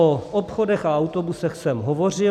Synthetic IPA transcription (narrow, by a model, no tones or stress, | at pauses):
oopxodɛxaawt̪obusɛxsɛmɦovor̝ɪ